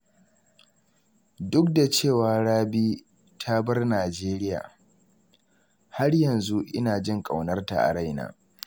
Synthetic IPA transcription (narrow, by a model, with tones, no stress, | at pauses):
dʊ˦k̚da˨t͡ʃeː˦˨waː˨ɽaː˦biː˦ | tʰa˦bɐ˦rnaː˨d͡ʒeː˦ɾɪ˦ja̰ː˨ | ha˦rjɐ˨nzu˦ʔɪ̰˦naː˨d͡ʒɪ˦ŋkʼa˨wnɐ˦rta̰˨ʔa̰˨ɽa˦jna̰ː˦